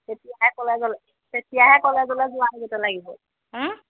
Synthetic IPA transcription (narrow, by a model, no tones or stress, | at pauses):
tetijaɦɛkɔlɛzɔlɛ | tetijaɦɛkɔlɛzɔlɛzʊaniɡɛtɛlaɡiɦol̩